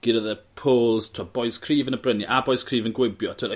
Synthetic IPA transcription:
ɡ̥iɾəðəpʰoːlˠz̥tʰɔb̥ɔjskʰriːvənəbrəniʔabɔjskʰriːvənɡwɪbjɔtʰəɾ

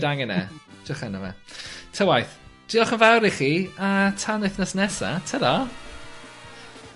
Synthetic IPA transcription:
daŋɛnɛ̰d͡ʒəχɛnəvɛ̰tʰəwajθd̥iɔχənvawɾiχiːatʰanɪjθnasnɛsa̰tʰəda

